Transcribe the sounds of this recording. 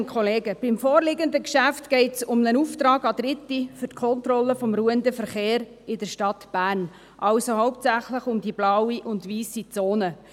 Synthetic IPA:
nkχɔleːɡəb̥ɪmfoːrlɪɡənd̪əkʃæftɡ̥ɛɪtsʊmnənuft̪ɾɑːɡɑd̪ɾɪt̪ːifʏrtkʰɔnt̪ɾɔlːəfɔmɾuəndəfəɾχeːɾ | ɪdəɾʃtɑt̪b̥æːrn | ʔɑwsoɦɔʊp̚tsæχləχʊmd̪ib̥lɑwiʔʊndʋiːsit͡soːnə

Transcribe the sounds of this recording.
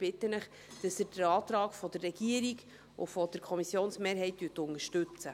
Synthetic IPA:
b̥ɪtːənəχ | d̥ɑsədəɾɑːt̪ɾɑːkfɔd̥ərːɛɡiəɾiɡ | ṵfɔd̥əɾkʰɔmisjoːnsmeːɾɦɛɪttːyːtʊnəʃtɵt͡sə

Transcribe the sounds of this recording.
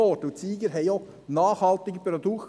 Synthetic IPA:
ɔtʊtt͡siːɡəɦɛɪjo | nɑːχhɑlt̪ɪɡəpɾɔd̪uk

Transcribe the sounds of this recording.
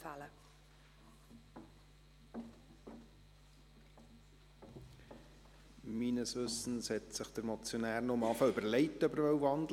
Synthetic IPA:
fælə | minəsʋʏsn̩shɛtsɪχd̥̪əɾmɔt͡sjonæːɾnomɑːfəʏbəɾlɛɪtːəœbəɾvœwvɑnd

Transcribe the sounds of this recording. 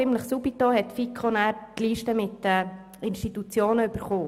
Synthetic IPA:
ɪmləχsubit̪ohɛtfikʰχonæːɾtliːʃtəmɪtɛ | ɪnʃtitut͡sjoːnəyb̥əɾχoː

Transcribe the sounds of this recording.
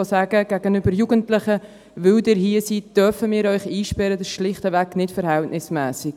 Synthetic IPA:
osæɡ̥əɡ̥æɡ̥ənʏbəɾjuɡəntlɪχə | vʏldɪːɾhiəsitd̥œfəmɪːɾœʏχiːʃpɛɾədɑsʃlɪχtəvæknɪtfəɾhɛltnɪsmɛːsɪk

